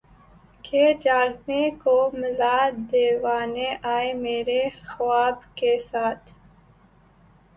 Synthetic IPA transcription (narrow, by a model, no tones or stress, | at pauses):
kʰeːd͡ʒaːɾnekoːmɪlaːd̪eːwaːneʔaːemeːɾexwaːbkesaːt̪ʰ